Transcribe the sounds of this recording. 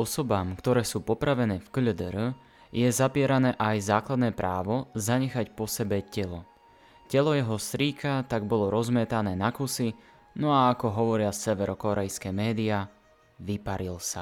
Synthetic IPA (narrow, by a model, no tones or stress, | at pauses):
ɔsɔbaːmkt̪ɔɾɛːsuːpɔpɾaʋɛnɛːfkʎd̪ɾ | jɛzapɪɛɾanɛːʔajzaːklad̪nɛːpɾʔaːʋɔzaɲɛxacpɔsɛbɛcɛlɔ | cɛlɔjɛɦɔsɾiːkʰat̪aɡ̚bɔlɔɾɔzmɛt̪anɛːnakusi | nɔaːkɔɦɔʋɔɾɪasɛʋɛɾɔkɔɾɛjskɛmɛːd̪ia | ʋipaɾilsa